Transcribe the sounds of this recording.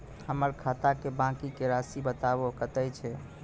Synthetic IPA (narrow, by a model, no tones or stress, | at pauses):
həməɾkʰat̪akebãkikeɾasibət̪aβokət̪əjt͡ʃʰɛ